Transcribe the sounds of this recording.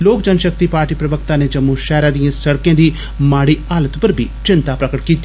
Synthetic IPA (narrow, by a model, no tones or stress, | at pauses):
loːkd͡ʒənʃək̚t̪iːpaːɾʈiːpɾəʋək̚t̪aːneːd͡ʒəmːuːʃɛːɾaːd̪ijãːsəɽkẽːd̪iː | maːɽiːaːlət̪pəɾbʱḭːt͡ʃɪnt̪aːpɾəkəʈkiːt̪ːi